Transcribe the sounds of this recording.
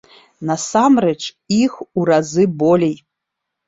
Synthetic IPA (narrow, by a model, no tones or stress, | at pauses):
nɐsamrɛt͡ʂ | ixuɾazɨbɔlʲej